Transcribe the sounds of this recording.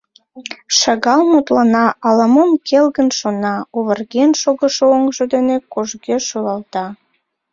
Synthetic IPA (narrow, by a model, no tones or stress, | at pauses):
ʃɑɣɑlmut̪lɑnɑʔɑləmomkʰelɣənʃonɑoβə̆rɣenʃoɣəʃooŋʒod̪enekoʒɣeʃolɑlt̪ɑ